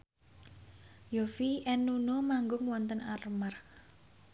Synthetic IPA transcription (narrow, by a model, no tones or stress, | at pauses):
jofiʔɛnːunomaŋɡʊŋwɔnt̪ənarmark